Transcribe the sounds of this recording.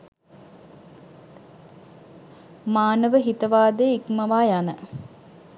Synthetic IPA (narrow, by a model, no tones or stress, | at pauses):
maːnəʋəɦit̪əʋaːd̪eikmɐʋaːjanə